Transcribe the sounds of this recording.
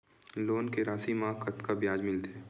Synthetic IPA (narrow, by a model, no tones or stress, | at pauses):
loːnkeɾaːsimãkʰɐt̪kabjaːd͡ʒmɪlt̪ʰeː